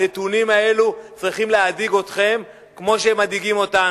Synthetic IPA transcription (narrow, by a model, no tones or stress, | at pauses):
etunimae̞lut͡sʁiχimleadiɡo̞tχe̞m | kmo̞ʃemadiɡimo̞ta